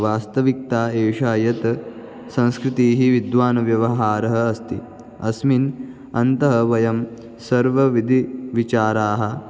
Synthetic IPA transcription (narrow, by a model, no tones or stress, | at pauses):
ʋaːst̪ɐʋik̚t̪aːeːʂaːjɐt̪ | sɐ̃nskɾɪt̪iːɦiʋid̪ʋaːnɐʋjɐʋɐɦaːɾɐɦɐɐst̪i | ɐsmin | ɐnt̪ɐɦɐʋɐjɐm | sɐɾʋɐʋid̪ʱiʋit͡ʃaːɾaːɦɐ̆